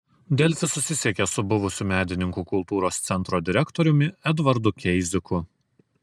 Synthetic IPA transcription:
d̪ʲɛlʲsʲɪsʊsʲɪsʲeɛkʲeɛsʊbʊʋʊsʲuːˑmʲæːd̪ʲɪnʲɪŋkuːkʊlˠt̪uːɾoːst̪sʲɛnt̪ɾoːd̪ʲɪɾʲɛkt̪ɔɾʲʊmʲɪɛd̪ʋɐɾd̪ʊkʲɛɪzʲɪkʊ

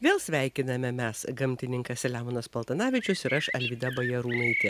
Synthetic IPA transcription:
ʋʲeːlˠsʲʋʲæɪkʲɪnɐmʲɛmʲɛsɡɐmʲt̪ʲɪnʲɪŋkɐsʲlʲæːmonɐspɐlˠt̪ɐnɑːʋʲɪt͡ʃʲʊsɪɾɐʃɐlʲʋʲiːd̪ɐbɐjɛɾuːnɐɪt̪ʲɪ

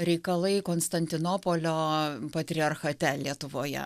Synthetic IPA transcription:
ɾʲɛɪkɐlˠɐɪkoːnst̪ɐnʲt̪ʲɪnoːpoːlʲoːpɐt̪ʲɾʲɪɐrxɐt̪ʲɛlʲiɛt̪ʊʋoːjɛ̰

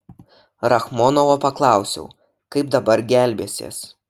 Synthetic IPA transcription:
ɾɐxmɔnɔʋopɐklˠɑˑʊsʲɛ̰ʊ | kɐɪpd̪ɐbɐɾɡʲæˑlʲbʲeːsʲḛːs

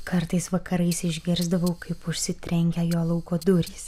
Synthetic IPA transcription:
kɐɾt̪ɐɪsʋɐkɐɾɐɪsɪʒʲɡʲɪɾzd̪ɐʋɐʊkɐɪpʊʃʲsʲɪt̪ʲɾʲɛŋʲɡʲɛjoːlˠɐʊkoːd̪ʊɾʲiːs

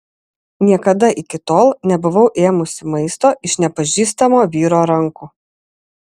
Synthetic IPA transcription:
nʲiɛkɐd̪ɐʔɪkʲɪt̪oːlˠnʲɛbʊʋɒʊʔeːmʊsʲɪmɐɪst̪oːʔɪʃnʲɛpɐʒʲiːst̪ɐmoːʋʲiːɾoːɾɐŋkuː

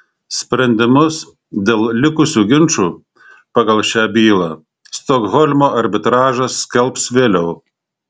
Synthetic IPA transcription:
sʲpʲɾʲɛnʲd̪ʲɪmʊs | d̪ʲeːlˠlʲɪkʊsʲuːɡʲɪnt͡ʃuː | pɑɡɐlˠʃʲæːbʲiːlˠɑː | st̪okɣɔlʲmoːʔɐɾʲbʲɪt̪ɾɑːʒɐsːʲkʲɛlˠpsʋʲeːlʲɛʊ

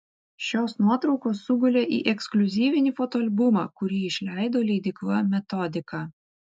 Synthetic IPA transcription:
ʃʲoːsnuɔt̪ɾɒʊkoːsːʊɡʊlʲeːʔḭːʔɛksklʲʊzʲiːʋʲɪnʲifɔt̪oːɐlʲbʊmɑ̰kʊɾʲiːɪʃʲlʲæˑɪd̪oːlʲɛd̪ʲɪklˠɐmʲɛt̪ɔd̪ʲɪkɑː

